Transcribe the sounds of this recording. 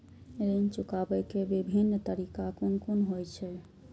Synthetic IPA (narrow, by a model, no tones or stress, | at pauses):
eɾənt͡ʃukabɛkebibʱinːt̪əɾikakonkunɦojt͡ʃʰɛ